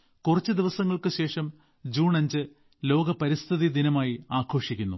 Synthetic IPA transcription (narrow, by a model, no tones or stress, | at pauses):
kurɐt͡ɕːɨd̪iʋɐsɐŋːɐɭkɨɕe̞ːʂɐm | d͡ʑuːɳɐɲd͡ʑɨ | lo̞ːɡɐpɐɾist̪ʰiðid̪inɐmaːjiaːkʰo̞ːʂikʲːunːu